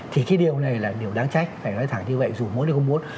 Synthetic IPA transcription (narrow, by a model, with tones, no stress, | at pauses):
t̪ʰi˨˩kaː˨˦jɗi˨˩əwna˨˩jlaː˨˩ɗi˨˩əwɗaː˨˦ŋt͡ɕa˦˥jk̟̚faː˧˩nɔ˨˦jt̪ʰaː˧˩ŋɲɨ˧və̰˧˨jzu˨˩mo˨˦nə˨˩xŋ͡mmu˨˦ən